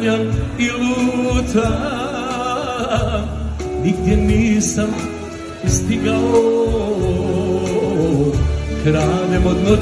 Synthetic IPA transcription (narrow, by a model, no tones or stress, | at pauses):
amiluːt̪a | niɡd̪jeniːsam | st̪iɡao | kɾaːnemod̪no